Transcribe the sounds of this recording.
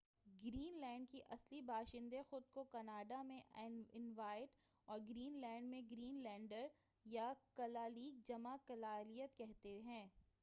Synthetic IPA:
ɡɾiːnlɛ̃ːɳɖ̚kiʔɐslibʱaːʃɪ̃nd̪exʊd̪̚kokɐnaːɖamẽʔɪnʋaːɪɖ | ɔːɾɡɾiːnlɛ̃ːɳɖmẽɡɾiːnlɛ̃ːɳɖəɾ | jakɐlaːliːd͡ʒɐmakɐlaːlijət̪kɛɦt̪eɦɛ̃ː

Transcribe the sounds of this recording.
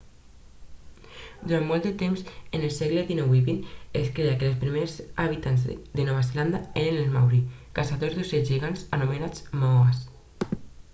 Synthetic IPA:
d̪uɾanmɔlˠt̪d̪ət̪emzenelˠsɛɣləðinɔwiβineskɾeakelespɾimeɾzaβit̪anzd̪enɔβ̞azeland̪aeɾenelma̰wɾi | kasaðozðuseʒiɣanzanumenat͡smɔas

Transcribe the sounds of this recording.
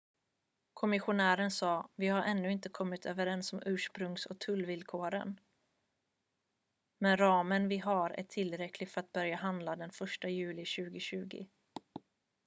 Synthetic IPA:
kʰɔmɪɧʊnæːɾənsɑːvɪhaɾʔɛnːɵɪnt̪əkʰɔmːɪt̪ʰøːvəɾɛnsɔmʔʉ̟ːʂpɾɵŋsɔ̰t̪ʰɵlːvɪlkʰoːɾə̰n | mɛnɾɑːmənvɪɦaɾæ̰ʈʰɪlːɾɛkʰlɪɡfœɾat̪̚bœɾjaɦand̪lad̪ɛnfœʂʈajʉ̟ːlɪɕʉ̟ːɡɪɕʉ̟ːɡɪ̰

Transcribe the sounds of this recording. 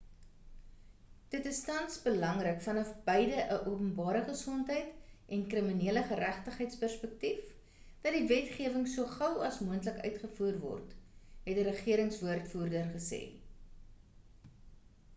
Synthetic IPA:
d̥ətəstɐnsbəlɐŋrəkfɐnɐfbəjdəʔəʔuəpənbɑːɾəχəsɔntəjtʔɛnkrəminiələχəɾæχtəχəjtspærspək̚tif | d̥ɐt̚divɛtχiəvəŋsuəχɐwɐsmuəntləkœ̰ɥtχəfuːrvɔ̰rtɦɛtəɾəχiəɾəŋsvuərtfuːrdərχəsɛ̰ː

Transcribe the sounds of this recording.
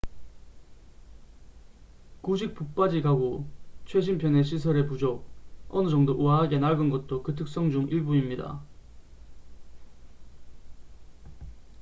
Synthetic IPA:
kuɕ̬ʰik̚p͈uk̚p͈ad͡ʑiɡaɡot͡ɕʰwe̞ɕ̬ʰinpʰjʌne̞ɕ̬ʰisʰʌɾepud͡ʑok̚ʌnɯd͡ʑʌŋdoʔuaɦaɡe̞naɡɯnɡʌt̚t͈okɯtʰɯk̚s͈ʌŋd͡ʑuŋiɭbuimɲida̰

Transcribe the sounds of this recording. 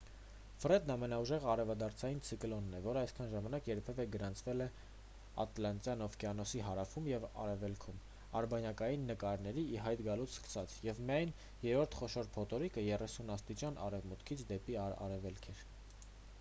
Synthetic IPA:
fɾɛd̪nɑmɛnɑuʒɛʁəɑɾɛvɑd̪ɑɾt͡sʰɑjint͡sʰikəlɔnːɛvɔɾəɑjskʰɑnʒɑmɑnɑkjɛɾpʰɛvɛɡəɾɑnt͡sʰvɛlɛ | ɑ̰t̪lɑnt͡s̪jɑnɔvkɛɑnɔsiɦɑɾɑfumjɛvɑ̰ɾɛvɛlkʰum | ɑɾbɑnjɑkɑjinːəkɑɾnɛɾiːɦɑjt̪ɡɑlut͡sʰskə̥sɑt͡sʰjɛvmijɑjn | jɛɾɔɾt̪ʰχɔʃɔɾpʰɔt̪ɔɾikəjɛrɛsunɑst̪it͡ʃɑnɑ̰rɛvmut̪kʰit͡sʰd̪ɛpiɑɑ̰ɾɛvɛlkʰɛɾ

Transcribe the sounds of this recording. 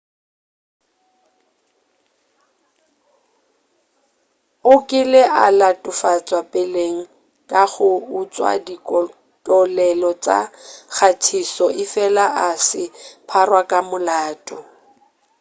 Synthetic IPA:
ʊkʼɪlɪʔalatʼʊfat͡sʼwapʼɛleŋ̩ | kʼaɣʊut͡sʼwa̰dikʼɔ | tʼɔlɛlɔt͡sʼa̰k͡xʰatʰisɔʔɪfɛlaʔasɪpʰarwakʼamʊlaːtʼɔ

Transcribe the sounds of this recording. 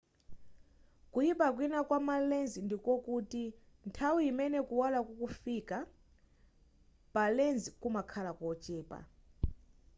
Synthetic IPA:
kujipʼak̬ʼwinakʼwamalend͡zindikokʼutʼi | ntʰawijimɛnɛkʼuwalakukʼufiːkʼa | palend͡zikʼumakʰalakʼɔt͡ʃʼɛːpʼa̰

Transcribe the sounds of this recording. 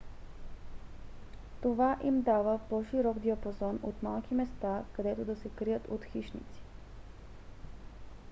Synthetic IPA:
t̪ovaʔimd̪avəpɔʃiɾɔɡd̪iɐpozɔnot̪malˠkimɛst̪akɐd̪ɛt̪od̪ɐsɛkɾijət̪ot̪xiʃnḭt̪si̥

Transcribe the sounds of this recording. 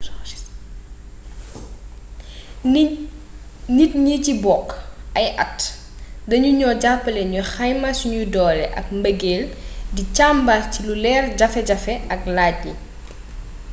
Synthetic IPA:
nitɲicibɔkːɐjʔɐt | dɐɲuɲɔːɟapːɐlɛɲuxɐjmasuɲudɔːlɛʔɐ̰k̚mbɐɡeːldicaːmbatilulɛːrɟɐfɛɟɐfɛɐk̚laːɟ̚ɲi

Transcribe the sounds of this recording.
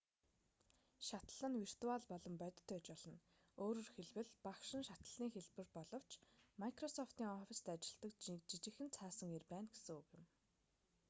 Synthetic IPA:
ʃat̪ə̆ɮ̥ə̆nwir̥t̪ʊaːɮpɔɮɞ̆mpœt̪̆ʲt̪ːœt͡ɕpɔɮɞ̆n | oːɾoːrxeɮwɘ̆ɮpakʃɪ̆nʃat̪ə̆ɮ̥iːŋxeɮpɘ̆rpɔɮɞ̆w̥t͡ɕmajkrɔsɔft̪iːŋɔfist̪ʰæːat͡ɕɪ̆ɮt̪ə̆kt͡ɕit͡ɕɪ̆xɘ̆nt͡sʰaːsə̆ŋerpæːnɡe̥sɘ̆ŋukjɪ̆m

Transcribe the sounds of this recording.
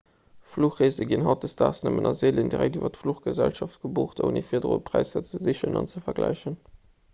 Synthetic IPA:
fluːχʁeːzəɡinɦɑt̚dəstaːsnəmənʔɑzeːləndiʁæ̰k̚tyːvɐtfluχɡ̥əzælʃɑftɡ̥əbuːχdo̰nifiːɐdəʁo̰pʰʁæɪsət͡səziɕənɑ̰nt͡səfɛɐɡlæ̰ɪʃən

